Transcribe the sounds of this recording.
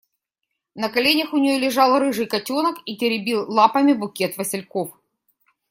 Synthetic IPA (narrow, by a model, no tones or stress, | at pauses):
nɐkɐlʲenʲəxʊnʲɪjolʲɪʐɑlˠrɨʐɨjkɐtʲonəkitʲɪɾʲɪbʲilˠlˠapɐmʲɪbʊkʲet̪vəsʲɪlʲkof